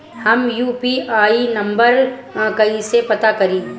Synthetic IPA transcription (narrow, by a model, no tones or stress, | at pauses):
hɐmjuːpiaːinɐ̃mbəɾkɐisepɐt̪akɐɾiː